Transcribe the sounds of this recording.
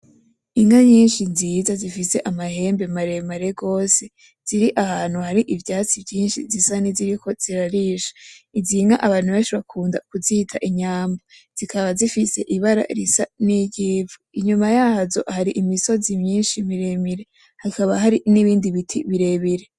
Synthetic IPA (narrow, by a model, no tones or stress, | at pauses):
iŋaɲiːnʃinzizazifise̞ʔamahe̞ːmbe̞maɾe̞maɾe̞ɡo̞ːse̞ | z̥iɾiʔahaːn̥huhaɾiʔivjaːt͡sivjiːnʃḭzisaniziɾikʰo̞z̥iɾaɾiʃḁiziŋa̰ʔaβaːn̥huβe̞ːʃiβakʰuːndakuziːtʰaʔiɲaːmba | z̥ikʰaβazifise̞ʔiβaɾa̰ɾisa̰niɟiːvuiɲumajaːzo̞̰haɾiʔimiso̞zimɲiːnʃimiɾemiɾe̞ | hakaβaɦaɾiniβiːndiβitʰḭβiɾe̞βiɾe